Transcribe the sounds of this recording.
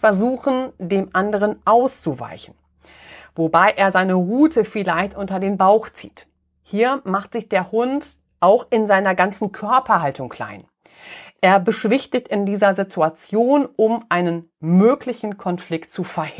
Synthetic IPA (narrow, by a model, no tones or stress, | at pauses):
fɛɐzuːxn̩deːmʔandəʁ̞ənʔaʊst͡suva̰ɪçn̩ | vobaɪʔeːɐzaɪnəʁuːtʰəfɪlaɪçtʔʊntɐdeːnbaʊxt͡sḭːt | hiːɐmaχtz̥ɪçd̥eːɐhʊnt | ʔaʊxɪnzaɪnɐɡant͡sn̩kʰœɐpɐɦaltʊŋkl̥a̰ɪn | ʔeːɐbəʃv̥ɪçtɪçtɪndiːzɐzitʰuat͡sjoːnʔʊmʔaɪnən | møːklɪçn̩kʰɔnflɪktt͡sufɛɐh